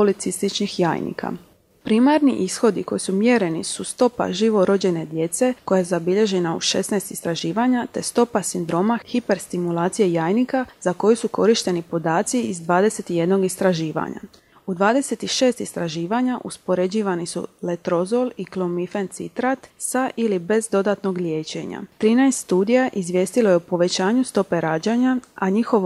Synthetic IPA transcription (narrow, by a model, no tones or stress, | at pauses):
polit̪sist̪it͡ʃnixja̰ːjnḭkʰa̰ | pɾiːmaɾnḭʔisxo̞d̪iko̞jisumje̞ɾe̞nisust̪o̞pa̰ʒiʋo̞ɾo̞d͡ʑe̞ne̞d̪je̞t̪se̞ko̞jajezabiʎe̞ʒe̞naṵʃe̞̰snajst̪ist̪ɾaʒiːʋaɲat̪e̞st̪o̞pasind̪ɾo̞ːmaxipe̞ɾst̪imulˠaːt̪sijejaːjnikaz̥ako̞jusuko̞ɾiʃt̪e̞nipo̞d̪aːt̪siizd̪ʋaːd̪e̞se̞t̪ije̞d̪no̞ɡist̪ɾaʒiːʋa̰ɲa̰ | ud̪ʋaːd̪e̞se̞t̪iʃe̞ːst̪ist̪ɾaʒiːʋaɲaʔuspo̞ɾe̞d͡ʑiːʋanisṵlet̪ɾo̞zo̞liklomifent̪sḭt̪ɾat̪saʔilibe̞zd̪o̞d̪at̪no̞ɡʎʲjeːt͡ɕe̞̰ɲa̰t̪ɾiːnaest̪st̪uːd̪ijaʔizʋʲje̞ːst̪iloje̞upo̞ʋe̞t͡ɕaːɲust̪o̞pe̞ɾaːd͡ʑaɲaaɲixo̞ʋ